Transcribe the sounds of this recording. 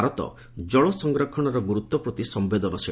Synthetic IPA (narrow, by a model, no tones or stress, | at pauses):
aɾɔt̪ɔ̰ | d͡ʒɔɭɔsɔŋɡɾɔkʰɔɽ̃ɔɾɔɡuɾut̪ːɔpɾɔt̪isɔmbed̪ɔnɔsi